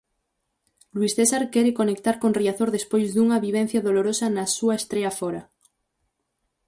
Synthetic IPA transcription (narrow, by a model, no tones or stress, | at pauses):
lwisθesaɾkɛɾekonek̚t̪aɾkonriaθoɾðespojzðuŋɐβiβ̞en̟θjaðoloɾosanasuaest̪ɾeafoɾa